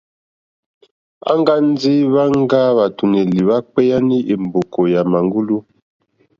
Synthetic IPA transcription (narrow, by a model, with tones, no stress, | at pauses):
a̰˦ŋɡa˦n˦d͡zi˦βa˦ŋ˦ɡa˦βa˨tu˨ne˨li˨βa˦k͡pɛ˦ja˦ni˦ʔe˨m˨bo˨ko˨ja˨ma˨ŋɡu˦lu˦